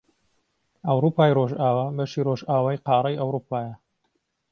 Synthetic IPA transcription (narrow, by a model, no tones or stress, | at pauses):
ɐwɾuːpaːjroʒaːwaːbɐʃiːroʒaːwaːjqɑːɾɐjɐwɾuːpʰaːjɐ